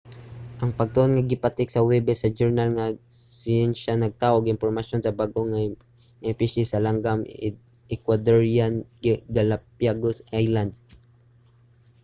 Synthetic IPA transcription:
ʔɐŋpɐɡ̚t̪ʊʔonŋaɡɪpat̪ɪksɐwɛbɛsɐd͡ʒɛɹnalŋasɪɛnʃanɐɡ̚t̪aːʔoɡɪnpoɾmaʃjonsɐbaɡoŋa | ŋɐɪpiʃɪsɐlaŋɡam | ɪkwad̪oɹianɡalapjaɡosʔajland̪

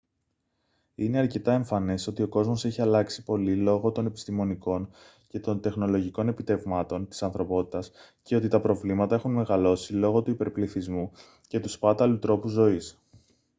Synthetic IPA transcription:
ine̞ɐɾce̞t̪ɐe̞ɱfɐne̞so̞t̪io̞ko̞zmo̞se̞çiɐlɐksi̥po̞lilo̞ɣo̞t̪o̞ne̞pi̥st̪imo̞niko̞n | ce̞t̪o̞nt̪e̞xno̞lo̞ʝiko̞ne̞pit̪e̞vmɐt̪o̞nt̪i̥sɐnθɾo̞po̞t̪i̥t̪ɐs | ce̞o̞t̪it̪ɐpɾo̞vlimɐt̪ɐe̞xunme̞ɣɐlo̞silo̞ɣo̞t̪uipe̞ɾpliθizmu | ce̞t̪uspɐt̪ɐlut̪ɾo̞puzːo̞is

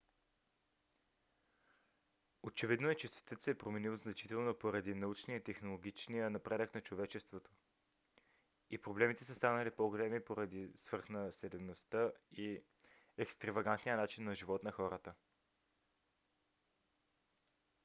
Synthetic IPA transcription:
ot͡ʃɛvid̪noɛt͡ʃɛsvɛ̥t̪ət̪sɛpɾomɛnilˠznɐt͡ʃit̪ɛlˠnopoɾɐd̪inɐut͡ʃnijət̪ɛxnolˠoɡʲit͡ʃnijənɐpɾɛd̪əknɐt͡ʃovɛt͡ʃɛst̪vot̪o̥ | ipɾoblɛmit̪ɛsəst̪anəlipoɡolɛmipoɾɐd̪isv̥ɤɾxnəsɛlɛnost̪əi | ɛkst̪ɾɐvɐɡant̪nijənat͡ʃinːɐʒivɔt̪nɐxɔɾət̪ə

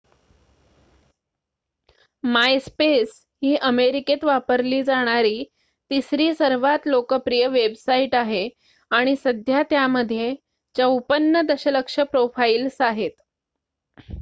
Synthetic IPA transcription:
majspes | hiːʔəmeɾiket̪ʋapəɾliːd͡zaɽ̃aɾiː | t̪isɾiːsəɾʋat̪lokəpɾijəʋebsaiʈaɦe | aɽ̃isəd̪ʱjat̪jaməd̪ʱːje | t͡ɕaupənːəd̪əɕələkʂəpɾofailsaɦet̪

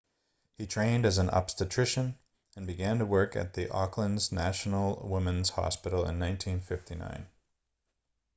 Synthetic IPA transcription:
hitʰɹ̥ẽɪ̃ndɨz̃n̩ɑ̰pstɨtʰɹ̥ɪʃɨ̃n | ɨ̃nbɨɡæ̃ntəwɜ˞kɨ̰t̪̚ðiʔɑklə̃nznæʃn̩l̩ˠwɪ̃mə̃nz̥hɑ̰spɪɾl̩ˠɪ̰̃nːãɪ̃ntʰĩnfɪftinã̰ɪ̃n

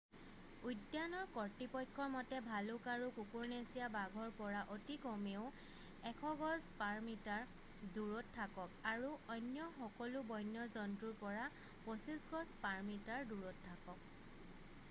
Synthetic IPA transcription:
ujdjanɔɹkɔɹtipɔjkʰːɔɹmɔtɛbʱalʊkaɹukukuɹnesijabaɡʱɔɹpɔɹaʔotikɔmeʊ | ɛkʰɔɡɔzpaɹmitaɹ | duɹɔtʰːakɔkaɹuɔjnjɔxɔkɔlubɔjnjɔzɔntɹuɹpɔɹa | posisɡɔzpaɹmitaɹduɹɔtʰːakɔk̚

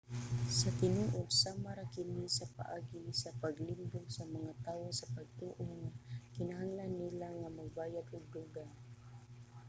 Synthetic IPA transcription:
sat̪ɪnuʔod̪samaɾakɪnisapa̰ʔaːɡisapaɡlɪmboɡsamaŋat̪aːwosɐpaɡ̚t̪uːʔoŋakɪnaɦaŋlanːilaŋamaɡ̚baːjat̪oɡ̚d̪uɡaŋ

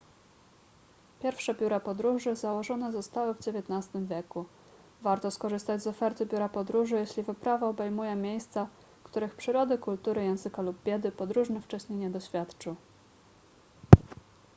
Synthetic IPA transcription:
pʲjɛɾfʂɛbʲjuɾapɔd̪ɾuʐɘzawɔʐɔnɛzɔst̪awɘvd͡ʑevʲjɛt̪nast̪ɘmvʲjɛku | vaɾt̪ɔskɔʐɘst̪ad͡ʑzɔfɛɾt̪ɘbʲjuɾapɔd̪ɾuʐɘjɛɕlʲivɘpɾavaɔbɛjmujɛmʲjejst̪sa | kt̪uɾɘxpʂɘɾɔd̪ɘkult̪uɾɘjɛw̃zɘkalub̚bʲjɛd̪ɘpɔd̪ɾuʐnɛft͡ʂɛɕɲejɲɛd̪ɔɕfʲjat̪t͡ʂɘw

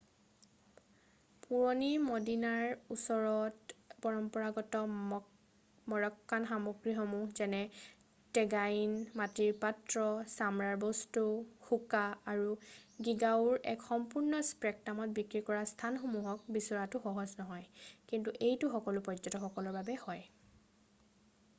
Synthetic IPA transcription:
puɹɔnimɔdinaɹusɔɹɔtpɔɹɔmpɔɹaɡɔtɔ | mɔɹɔkːanxamɔɡɹixomuzɛnɛ | tɛɡajinmatiɹpatɹɔsamɹaɹbɔstuxukaaɹuɡiɡauɹɛkxɔmpuɹnɔspɹɛk̚tamɔt̚bikɹikɔɹastʰanxomuɦɔk̚bisɔɹatʊxɔɦɔznɔɦɔjkintuʔejtʊxɔkɔlʊpɹɔzɔtɔxɔkɔlɔɹbabɛhɔj

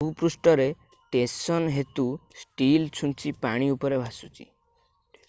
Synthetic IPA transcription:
upɾusʈɔɾe | ʈesɔnɦet̪usʈilt͡ʃʰunt͡ʃʰipaɽ̃iupɔɾebʱasut͡ʃʰi̥̰

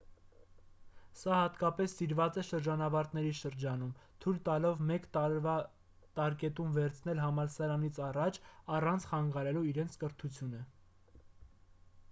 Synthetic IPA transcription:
sɑhɑt̪kɑpɛsːiɾvɑt͡sɛʃəɾd͡ʒɑnɑvɑɾt̪̚nɛɾiʃəɾd͡ʒɑnumt̪ʰujlt̪ɑlɔvmɛkvɑ | t̪ɑɾkɛt̪umvɛɾt͡sʰnɛlɦɑmɑlsɑɾɑnit͡sʰɑrɑt͡ʃʰɑrɑnt͡sʰχɑŋɡɑɾɛluiɾɛnt͡sʰkəɾt̪ʰut͡sʰjunə

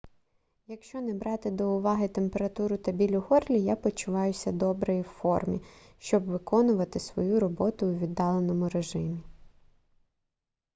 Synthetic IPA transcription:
jɐkʃt͡ʃɔnɛbɾɑt̪ɪd̪ɔʊʋɑɦɪt̪e̞mpe̞ɾɐt̪uɾʊt̪ɐbʲilʲʊɦɔrlʲijapɔt͡ʃʊʋɑjʊsʲɐd̪ɔbɾɔjiwfɔrmʲḭ | ʃt͡ʃɔbʋɪkɔnʊʋɐt̪ɪsʋɔjuɾɔbɔt̪ʊːʋʲid̪ːɑlˠenɔmʊɾeʒɪmʲi

